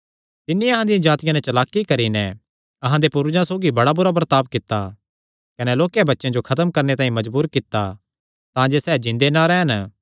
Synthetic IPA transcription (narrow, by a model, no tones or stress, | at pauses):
t̪ɪnːiɐɦãd̪ɪjãd͡ʒaːt̪ɪjãnɛt͡ʃɐlaːkːikɐɾinɛ | ɐɦãd̪epʊɾʊd͡ʒãsoːɡibɐɽabʊɾabɾt̪aːp̚kɪt̪ːa | kɐnɛloːkjabɐtːʃãd͡ʒokʰɐt̪əmkɐɾnet̪ãːĩmɐd͡ʒbuːɾkɪt̪ːa | t̪ãd͡ʒeːsɛːd͡ʒɪ̃nd̪enaɾɛːɦən